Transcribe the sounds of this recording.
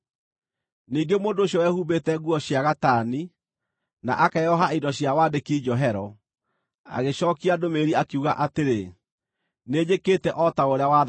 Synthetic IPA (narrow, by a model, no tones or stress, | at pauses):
niːŋɡemoːndoɕjɔwɛhubetɛɣuɔɕjaɣataːni | na̰ʔakajɔɦaidɔɕjawadekid͡ʑɔɦɛɾɔ | a̰ɣeɕɔːkiadomeɾiakiuɣa̰ʔateɾe | neːd͡ʒekeːtɛʔɔtaoɾeawa